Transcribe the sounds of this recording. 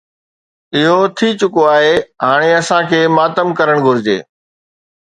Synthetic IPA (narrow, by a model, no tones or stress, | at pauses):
ɪɦot̪ʰit͡ɕʊkoaːɦeɦaːɽ̃eɐsãkʰeːmaːt̪əmkɐɾəɽ̃ɡʱʊɾɪd͡ʑḛː